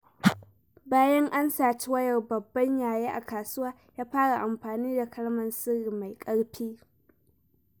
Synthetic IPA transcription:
baː˦jɐ˦ŋʔa˦nsaː˨t͡ʃi˦wɐ˦jɐ˨rbɐ˨bːɐ˦ɲjaː˨jeː˦ʔa̰˨kaː˨sʊ˦waː˦ | jaː˦ɸaː˦ɽa˨ʔa˨mɸaː˨niː˦da˨kɐ˦ɽmɐ˨nsɪ˦ɾi˨ma˨jkʼɐ˦ɽɸiː˦

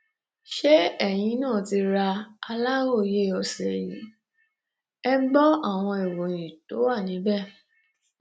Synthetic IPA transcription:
ʃe˦ɛ˦˨j̃ĩ˨˧˦nãː˦˨ti˧ɾa˧a˧la˦wo˦˨je˦ɔ˧sɛ˨jḭ̃˨˦ | ɛ˦ɡ͡bɔ˦a˦˨w̃ɔ̃˧i˨wo˨j̃ĩ˨to̰˨˦wa˦˨nĩ˨˦bɛ˦˨

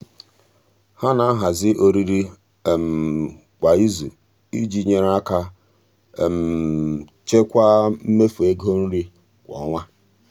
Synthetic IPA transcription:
ha˦na˨a˦ɦa˨zɪ˦ʔo˦ɾi˦ɾi˦˨ | m̩˨ | kʷa˨i˦zṵ˨ | i˦d͡ʒi˦ɲe˨ɾa˦ka˦˨ | m̩˨ | t͡ʃe˦kʷa˦m̩˦me˦fu˨e˦ɡo˦n̩˦ɾi˦ | kʷɔ̰˨˦ŋʷa˦

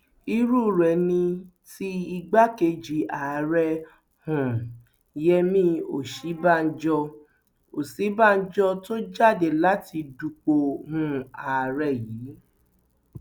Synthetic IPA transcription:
i˧ɾu˦ɾɛ˨nĩ˧ | ti˦i˧ɡ͡ba˦ke˧d͡ʒi˨a˨ɾɛ˧ | hũ˨ | jɛ˦˧mĩ˦o˨ʃi˨˦ba˦˨n̩˦d͡ʒɔ˧ | o˨si˨˦ba˦˨˧n̩˦d͡ʒɔ˧to˦d͡ʒa˦˨de˨la˨˦ti˧du˧k͡po˧hũ˦˧˦a˨ɾɛ˦˨jiː˨˦

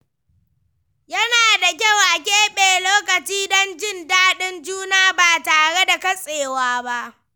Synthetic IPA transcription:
jɐ˦naː˨da˨k̬ʲa˦˨wʔa˨kʲeː˦ɓeː˨loː˦kɐ˨t͡ʃiː˦dɔ˦nd͡ʒɪ˦ndaː˦ɗɪ˦nd͡ʒuː˦naː˦baː˨taː˨ɽe˦da˨kɐ˦sʼeː˨waː˦ba˦ʔ

